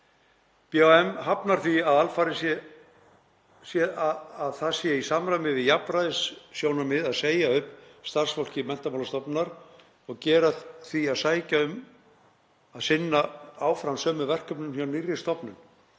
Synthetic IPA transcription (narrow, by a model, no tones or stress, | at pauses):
pjoɛmɦapnaɾ̥θiaðalfaɾɪsjɛ | sjɛaaðθasjɛisamɾajmɪvɪðjapɾaðɪsːjoːwnamɪðaðseːjaʏhpst̪ar̥sfowl̥cɪmɛn̥t̪amawlst̪ɔpnaɾ̥ | ɔɣcɛːɾaðθiaðsaːjcaʏm | aðsɪnːaaːwfɾansœːmʏvɛr̥kœpnʏmsjawnirjɪ̥st̪ɔpnʏn